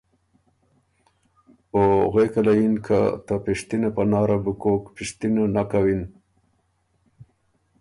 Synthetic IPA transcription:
oɣekalajinkʰa̰t̪apiʂt̪inapanɑːɾabukokpiʂt̪inonakawin

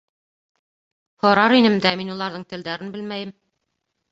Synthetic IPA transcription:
hŏɾɑɾinɘmd̪æminulˠɑɾðɤɴt̪ɘ̆ld̪æɾɘnbɘlmæjɘm

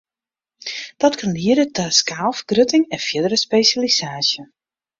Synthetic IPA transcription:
d̥ɔtkʰanliəɾətaskaːlˠfəɡrøtɪŋɛnfjɪdəɾəspeːsjalisaːsjə

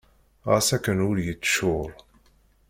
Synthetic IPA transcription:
ʁæ̰sækːənʊɾjət͡sːʃʊɾˤ

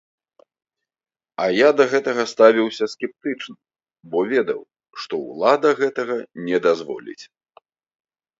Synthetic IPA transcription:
ɐjad̪ɐɣɛt̪ɐɣɐst̪avʲiwsʲɐsʲkʲɛp̚t̪ɨt͡ʂnɨ | bɔvʲɛd̪ɐ̰w | ʂt̪ɔwlˠad̪ɐɣɛt̪ɐɣɐnʲɛd̪azvɔ̰lʲḭt͡sʲ

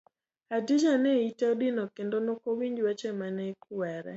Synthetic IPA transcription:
adid͡ʒanɛitaodɪnɔkendonokowiɲd͡ʒwat͡ʃɛmanɛkuwɛɾɛ̰

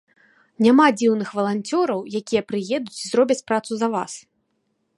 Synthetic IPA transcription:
nʲamad͡zʲiwnɨxvɐlˠanʲt͡sʲɔɾɐwjakʲijɐpɾɨjɛd̪ut͡sʲizɾɔbʲɐt͡sʲpɾat̪suzɐva̰s

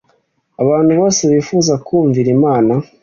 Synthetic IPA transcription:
aβaːnhuβo̞ːseβiːfuːzakuːɱviɾimaːna

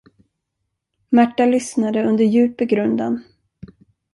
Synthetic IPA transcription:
mæʈːalʏsnad̪əɵnd̪əɾjʉ̟ːpəɡɾɵnd̪a̰n

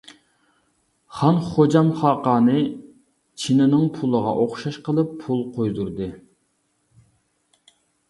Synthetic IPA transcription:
χɑnχod͡ʒɑmχɑːqɑːnɨ | t͡ʃʰinɪnɨŋpʰulˠəʁɑ̰ʔoχʃɑʃqəlˠɨpʰːulˠqʰojd̪uɾd̪ɨ

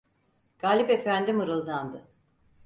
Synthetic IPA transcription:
ɡ̥aːlʲipe̞fænd̪imɯɾɯlˠd̪and̪ɯ

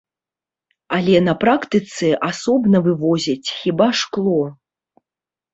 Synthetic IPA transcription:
alʲɛnɐpɾakt̪ɨt̪sɛʔasɔbnɐvɨvɔzʲɐt͡sʲxʲibaʂklˠɔ

